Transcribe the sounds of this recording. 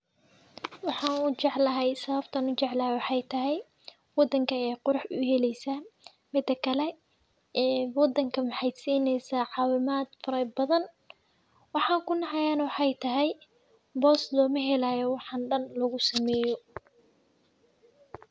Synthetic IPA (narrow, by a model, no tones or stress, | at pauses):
wɑħɑːnʊt͡ʃɛʕlɐɦɛjsɐβɐbt̪ʰɐnʊt͡ʃɛʕlɐhɛjwɑħɑjt̪ʰɐɦɛj | wɑd̪ːɐŋkʰɐɛjqʊɾɑħʊɦɛlɛjsaː | mɪd̪ːɐkʰɐlɛ | ɛːwɑd̪ːɐŋkʰɐmɑħɑjsiːnɛjsaːʕɑːwɪmaːd̪̥fɐɾɐbɐðɐn | wɑħɑːkʰʊnɑʕɑjaːnɐwɑħɑjt̪ʰɐɦɛj | bɔːslɔːmɐɦɛlaːjɔwɑħɑnɖɐnlɐɣʊsɐmɛːjɔ